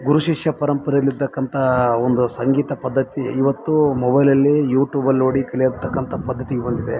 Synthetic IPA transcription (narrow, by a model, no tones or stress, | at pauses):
ɡuɾuʃiʂjɐpɐɾɐmpɐɾɐjɐlːiɾt̪ɐkːɐnt̪ʰɐond̪usɐŋɡiːt̪ɐpɐd̪ʱːɐt̪iːʋɐt̪ːumɔbɐjlɐlːijuːʈjuːbɐloːɽikɐlijɐɾt̪ːɐkːɐnt̪ʰɐpɐd̪ʱːɐt̪iɡɛbɐnd̪id̪e